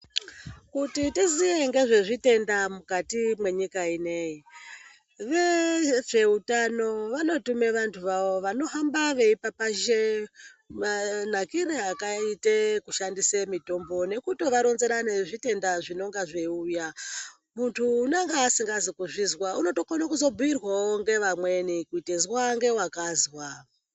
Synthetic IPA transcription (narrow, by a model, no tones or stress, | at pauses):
kutitizije̞ŋɡe̞ʐe̞ʐite̞ndamukatimwe̞ɲikaine̞i | ʋeʐe̞utano̞ʋano̞tume̞ʋantʰuʋaʋo̞ʋano̞ɦambaʋe̞ipapaʃe | man̤akiɾeakaitekuʃandisemito̞mbo̞ne̞kutoʋaɾonzeɾaneʐite̞ndaʐino̞ŋɡaʐeuja | muntʰuːnaŋɡaːsiŋɡazikuʐizwauno̞tokonokuzo̞buirwawoŋɡe̞ʋamwe̞nikuitezwaŋɡe̞wakazwa